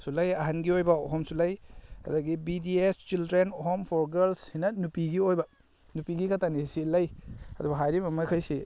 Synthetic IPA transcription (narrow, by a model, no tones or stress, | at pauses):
sulajɐɦanɡiojbɐoɦɔmsulajɐ̰daɡibidiest͡ʃildɾenɔɦɔmpʰɔɾɡeɾlsinɐnupiɡiojbɐ | nupiɡikʰatanisilajɐdubɐɦajɾimɐmakʰajsi